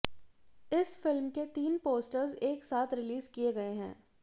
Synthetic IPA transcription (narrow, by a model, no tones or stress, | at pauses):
ɪsfɪlmket̪iːnpoːsʈəɾzeːksaːt̪ʰɾɪliːzkieɡɐeɦɛ̰̃ː